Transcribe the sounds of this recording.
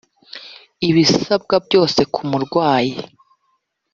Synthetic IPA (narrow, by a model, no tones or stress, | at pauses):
iβisab̚ɡabɟo̞ːse̞kʰumuɾɡwaːji